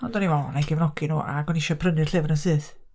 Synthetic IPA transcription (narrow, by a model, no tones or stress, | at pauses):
ɔndɔniwɛlˠnaɡɛvnɔɡinṵːʔa̰ɡɔnɪʃɔpʰrənɨrɬɨvnənsɨːθ